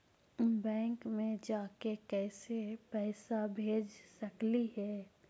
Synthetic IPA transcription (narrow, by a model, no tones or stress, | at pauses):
bɛ̃ːŋkmẽd͡ʒaːkekɛːsepɛːsabʱeːd͡ʒsɐkliɦɛː